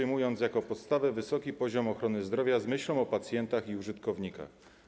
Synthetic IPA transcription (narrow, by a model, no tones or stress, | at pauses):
ɘjmujɔnt̪sjakɔpɔt̪st̪avɛvɘsɔkʲipɔʑɔmɔxɾɔnɘzd̪ɾɔvʲjazmɘɕlɔ̃w̃ɔpat̪sʲjɛnt̪axiuʐɘt̪kɔvɲika̰x